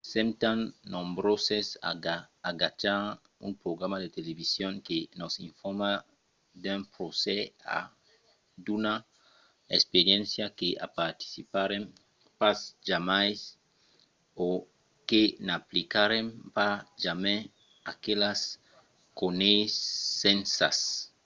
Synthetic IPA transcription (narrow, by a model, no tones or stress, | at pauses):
sẽnt̪ãnːõmbɾosesa̰aːɡat͡ʃaɾ | ṵ̃mpɾoɣɾamad̪et̪eleβisjõŋkenosĩɱfoɾma | d̪ẽmpɾosɛa̰ | d̪una | espeɾjẽnsjakeʔa̰paɾt̪i̥sipaɾẽm | pasʒamajs | o | kenaplikaɾẽmpaʒamẽ | akelas | konejsːẽnsa̰s